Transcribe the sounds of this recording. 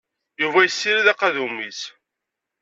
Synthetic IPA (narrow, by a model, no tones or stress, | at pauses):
juvæjəsːiɾiðæqɑðumis